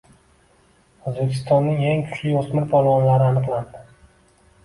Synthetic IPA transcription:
ozbekʲʰɪ̥st̪ɒnːɪŋeŋkʰʊ̥t͡ʃʰlɪjɒsmɪɾbalˠwɒnlaɾɪanɨqlˠand̪ɪ

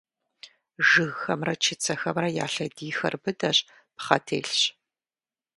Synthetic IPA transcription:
ʒɨɣxɐmrɐt͡ʃʰɪt͡sʰɐxɐmrɐja̰ːɬɐdiːxɐrbɨdɐɕʼ | pχɐtʰḛːɬɕ

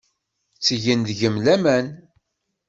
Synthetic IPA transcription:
t͡sːəʝənðʝəmlæmæn

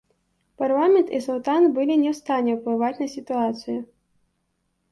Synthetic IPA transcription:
parlˠamʲɛnt̪isulˠt̪anbɨlʲinʲɛwst̪anʲːɛwplˠɨvat͡sʲnɐsʲit̪uat̪sɨju

